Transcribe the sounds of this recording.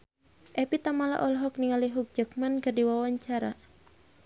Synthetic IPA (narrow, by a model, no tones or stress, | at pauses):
ʔɛpit̪amala̰ʔɔlɦɔk̚niŋaliɦuk̚d͡ʒək̚manɡadiwawaɲt͡ʃaɾa̰